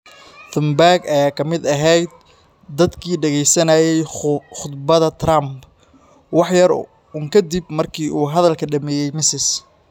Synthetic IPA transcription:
θɪmbaːɡɐjaːkʰɐmɪd̪ɐɦɛjd̪̚ | d̪ɐd̪kʰiːɖɐɣɛjsɐnɐjɛjxʊd̪bɐðɐt̪ʰrɐmb | wɑħjɐr | ʊŋkʰɐd̪ibmɐrkʰiːʔuːɦɐðɐlkʰɐɖɐmɛːjɛjmɪsɪs

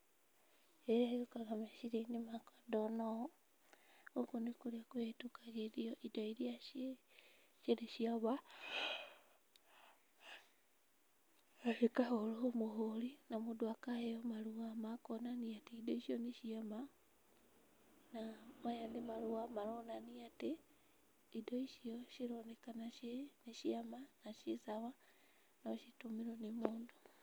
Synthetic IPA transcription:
eajokaɣameʃiɾinimakḁdonao | okunikuliakuetukaɣeɾioʔidoiɾia | ʃiliʃiaβa | hikaholuomuholinamudwakajeomaluwamakonaniatiidoiʃjoniʃiama | namajandimaluwamalonaniatiː | doiʃioʃiɾonekanaʃiniʃiamanaʃisaβa | noʃitumiɾonimuːndu

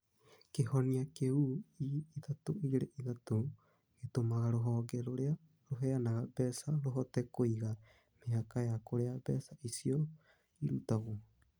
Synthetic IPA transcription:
kehoniakeuiiðatoʔiɡiɾeʔiðat̪o | et̪omaɣaɾoɦaɡeɾoɾea | ɾoɦeanaɣabeːsaɾoɦot̪ekojɡa | meakaeakoɾeabeːsaʔisio | iɾutaɣo

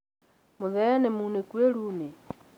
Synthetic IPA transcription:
moðɛnemunekweɾune

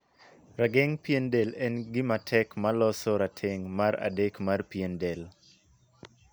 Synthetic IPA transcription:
raɡeŋpjendelɛnɡɪmatʰɛkmalɔsɔɾatʰeŋmaɾa̰dekmarpiendel

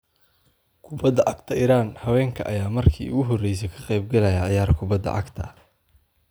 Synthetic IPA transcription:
kʰʊbɐd̪ɐʔɑɡt̪ʰɐiːɾaːnhɐwɛːŋkʰɐ̰ʔɐ̰jaːmɐrkʰḭːʊ̰ɣʊɦɔrɛjs̬ɛkʰɐqɛjb̚ɡɐlɛjaʕɪjaːrkʰʊbɐd̪ːɐ̰ʕɑ̰ɡt̪ʰɐ̰

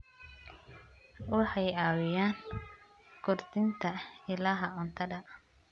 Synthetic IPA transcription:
wɑħɑjaːwɪjaːŋ | kʰʊrt̪ʰɪnt̪ʰɐɪlɐɦɐʊnt̪ʰɐdɐ

